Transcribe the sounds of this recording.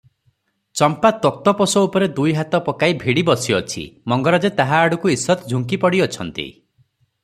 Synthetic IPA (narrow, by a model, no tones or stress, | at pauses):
t͡ʃɔmpat̪ɔk̚t̪ɔpɔsɔupɔɾed̪ujɦat̪ɔpɔkaibʱiɽibɔsiɔt͡ʃʰḭmɔŋɡɔɾad͡ʒet̪aɦaːɽukuisːɔt̪ɔd͡ʒʱuŋkipɔɽiɔt͡ʃʰɔnt̪ḭ